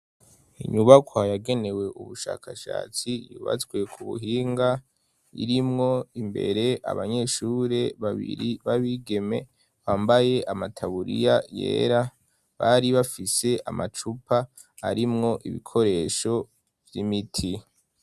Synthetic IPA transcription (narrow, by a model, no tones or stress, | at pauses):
iɲuβakʰwajaɡe̞ne̞we̞ʔuβuʃa̰ːkʰaʃa̰ːt͡sijuːβa̰t͡swe̞kʰuβṵɦiːŋɡa | ḭɾimŋo̞imbe̞̰ɾe̞ʔa̰βaɲe̞ʃuːɾe̞βaβḭɾiβaβiɡe̞me̞ | βaːmbaje̞ʔamatʰaβuɾḭjajḛːɾa | βaɾiβafise̞ʔamat͡ʃupa | a̰ɾimŋo̞ʔiβḭkʰo̞ɾe̞ːʃo̞ | vjimitʰi